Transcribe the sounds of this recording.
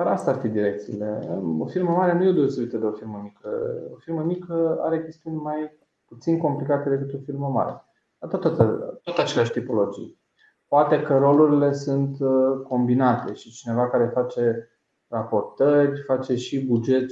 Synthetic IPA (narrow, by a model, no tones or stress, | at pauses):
d̪aɾast̪aarfid̪iɾe̞k̚t̪sḭːle̞̰o̰firməmaɾeanujed̪e̞ose̞vit̪əd̪e̞o̞firməmikʰə̰o̰firməmikəa̰ɾe̞kʲe̞st̪iunʲmaj | put̪sinko̞mplikat̪ed̪e̞kɨt̪o̞firməma̰ɾḛa̰ | at̪ot̪ot̪ət̪ot̪at͡ʃelaʃt̪ipo̞lo̞d͡ʒḭj | poat̪e̞kəɾo̞luɾile̞sunt̪ko̞mbinat̪e̞ʃit͡ʃine̞vakaɾe̞fat͡ʃe̞ | rapo̞rt̪ərʲfat͡ʃe̞ʃibud͡ʒe̞t̪